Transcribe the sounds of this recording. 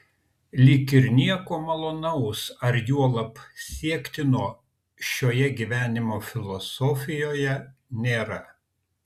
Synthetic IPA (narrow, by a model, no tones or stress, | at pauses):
lʲɪkʲɪɾnʲiɛkoːmɐlˠoːnɐʊsɐɾjuɔlˠɐpsʲiɛkt̪ʲɪnoː | ʃʲoːjɛɡʲiːʋʲæːnʲɪmoːfʲɪlˠɔsɔfʲɪjoːjɛnʲeːɾɐ